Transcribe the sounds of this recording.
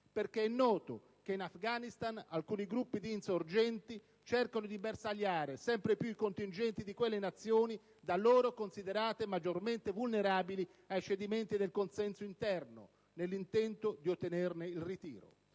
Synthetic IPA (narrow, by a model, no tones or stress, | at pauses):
perk̟eɛnːɔːt̪ʊ | keinafɡanist̪analkuːniɡɾupːid̪iːnsord͡ʒɛnt̪i | t͡ʃerkonod̪ibersaljaːɾesɛmpɾepjuikont̪ind͡ʒɛnt̪id̪ikwelːenat̪sːjoːni | d̪alːoːɾokonsid̪eɾaːt̪emad͡ʒorment̪evulneɾaːbili | ajt͡ʃed̪iment̪id̪elkonsɛnsoint̪ɛrnʊ̰ | nelːint̪ɛnt̪od̪iot̪ːenerneilrit̪ḭːɾo̰